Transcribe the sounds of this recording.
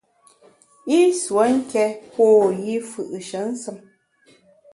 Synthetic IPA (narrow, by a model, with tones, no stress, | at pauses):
i˦swə˨˦ŋ̩˦kɛ˦poː˦˨ji˦fɯ˨ʔʃə˨˦n̩˦sɨ˦m